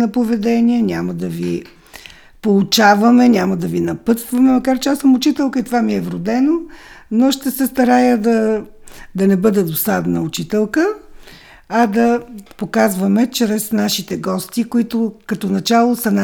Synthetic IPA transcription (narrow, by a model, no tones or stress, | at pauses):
nɐpovɛd̪ɛniənʲaməd̪ɐvi | polˠut͡ʃavɐmɛnʲaməd̪ɐvinɐpɤt̪st̪vɐmɛmɐkaɾt͡ʃɛasəmʊt͡ʃit̪ɛlˠkəit̪ovamiɛvɾʊd̪ɛno | noʃt̪ɛsɛst̪ɐɾajəd̪ɐ | d̪ɐnɛbɤd̪ɛd̪osad̪nɐʊt͡ʃit̪ɛlˠkə | ɐd̪ɐpokazvəmɛt͡ʃɾɛsnaʃit̪ɛɡɔst̪ikʊit̪ʊkɐt̪onɐt͡ʃalˠosəna